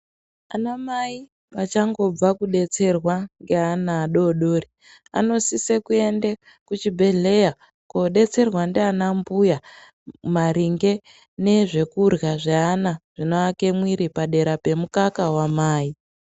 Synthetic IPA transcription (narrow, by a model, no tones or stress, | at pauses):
anamai | pat͡ʃaŋɡo̞b͡vakuɗe̞t͡se̞rwaŋɡeanaːɗo̞ɗo̞ːri | a̰no̞sisekue̞nde | kut͡ʃibʱe̞ɮe̞ja | ko̞ɗe̞t͡se̞rwandeanambuja | maɾiŋɡe̞ | ne̞ʐe̞kurɣaʐeanaʐ̥inoake̞mwiɾipaɗe̞ɾape̞mukakawamaːi